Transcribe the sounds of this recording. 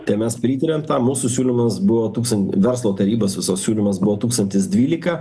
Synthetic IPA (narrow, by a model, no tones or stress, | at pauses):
t̪ʲɛɪmʲɛspʲɾʲiːt̪ɐɾʲeːmt̪ɑːmuːsusʲuːlʲɪmɐsbʊʋoːt̪uːkst̪ɐnʋʲɛɾslˠoːt̪ɐɾʲiːboːsʋʲɪsoːssʲuːlʲɪmɐsbʊʋoːt̪uːkst̪ɐnʲt̪ʲɪsd̪ʲʋʲiːlʲɪkɐ